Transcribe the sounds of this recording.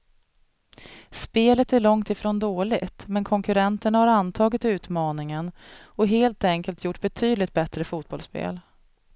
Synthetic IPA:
speːlət̪æɾɭɔŋt̪ɪfɾoːnd̪oːɭɪɡt̪mɛnkʰɔŋkɵɾɛnt̪əɳahaɾant̪ʰɑːɡɪt̪ʉ̟ːt̪mɑːnɪŋənɔɦeːlt̪ɛŋkəlt̪ʰjʊʈːbɛt̪ʰyːd̪lɪt̪̚bɛt̪ɾəfuːt̪̚bɔlspḛːl

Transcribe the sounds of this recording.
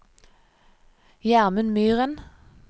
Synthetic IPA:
jæʁmənmyːʁən

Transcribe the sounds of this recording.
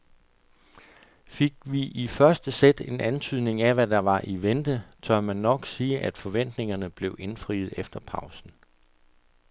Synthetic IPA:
fe̝ɡ̥ʋiʔifɶɐsd̥əsed̥e̝nʔænt͡sʰyð̞̰ˠne̝ŋæʋæd̥ɑ̈ʋɑ̈ʔiʋend̥ət͡sʰɶɐmænːɒ̽ɡ̥siːʔæd̥fɒ̽ʋen̰d̥ne̝ŋɐnəb̥le̝ʊʔe̝nfʁḭːð̞̩ˠefd̥ɐpʰɑ̈ʊsn̩

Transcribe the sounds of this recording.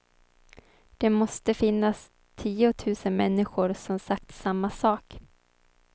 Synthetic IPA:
d̪̥ɛmɔst̪əfɪnːas | t̪ʰiːʊt̪ʰʉ̟ːsənmɛnːɪɧʊɾsɔmsakt̪samːasɑːk

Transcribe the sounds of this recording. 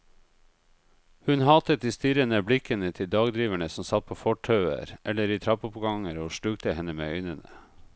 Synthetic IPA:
hʉnhɑːt̪ət̪̚d̪iːst̪iɾənəblɪkənət̪ʰɪld̪ɑːɡd̪ɾiːʋæɳəsɔmsɑt̪̚pʰoːfɔʈʰœʉə̰ɾʔɛləɾiːt̪ʰɾɑpʊpɡɑŋəɾoːʃʈʉːɡt̪əhɛnəmḛːœʏnənə̰

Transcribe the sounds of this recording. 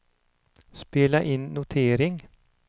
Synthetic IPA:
spɪləʔɪnnʊt̪ʰeːɾɪŋ

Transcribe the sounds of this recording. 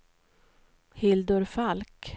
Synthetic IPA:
hɪld̪ɵɾfalk

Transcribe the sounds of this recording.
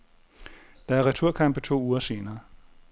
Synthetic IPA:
d̥ɑ̈æɐʁɛt͡sʰuɐ̰kʰɑ̈m̰b̥ət͡sʰo̝̰ːuːɐse̝ːnɐː

